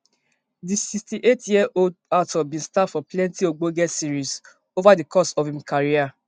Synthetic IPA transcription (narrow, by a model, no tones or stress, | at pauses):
disistiʔetjiaʔoldatɔbĩnstadfɔplɛ̃ntioɡ͡boɡɛsiɾis | ovadikɔsɔfĩmkʰaɾia